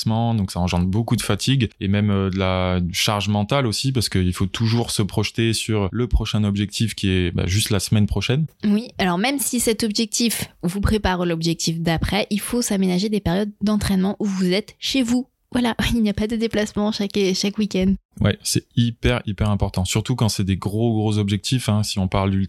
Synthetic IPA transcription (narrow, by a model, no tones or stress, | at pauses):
smɑ̃d̪ɔ̃ksaɑ̃ʒɑ̃d̪ʁbokud̪əfat̪ʰiɡemɛmød̪əlad̪yʃaʁʒmɑ̃t̪alosip̬aʁsə̥kəilfot̪ʰuʒuʁsəpχɔʃt̪esyʁləpχɔʃɛ̃ɔbʒɛk̚t̪ʰifkʲiɛba̰ʒyst̪lasəmɛnpχɔʃɛnwialɔʁmɛmsisɛt̪ɔbʒɛk̚t̪ifvupχepaʁlɔbʒɛk̚t̪ʰifd̪apχɛʔilfosamenaʒed̪epɛʁjɔd̪ːɑ̃t̪χɛnmɑ̃ʔuvuzɛt̪ʃevu | vwalailnijapad̪əd̪eplasmɑ̃ʃakʃakwikʲɛnd̪wɛ̰sɛipɛʁipɛʁɛ̃pɔʁt̪ɑ̃syʁt̪ukɑ̃sɛd̪eɡʁoɡʁozɔbʒɛk̚t̪ʰifɛ̃siɔ̃paʁld̪yl